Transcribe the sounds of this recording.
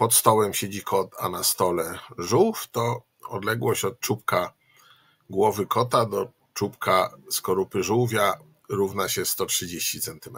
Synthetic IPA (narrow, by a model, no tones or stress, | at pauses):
pɔt̪st̪ɔwɛmɕed͡ʑikʰɔt̪a̰nast̪ɔlɛʐuwft̪ɔ | ɔ̰d̪lɛɡwɔɕt͡ɕɔt̪̚t͡ʂupka | ɡwɔvɘkʰɔt̪ad̪ɔ | t͡ʂupkaskɔɾupɘʐuwvʲja | ɾuvnaɕɛst̪ɔtʂɘd͡ʑeɕt͡ɕit̪sɛnt̪ɘmɛ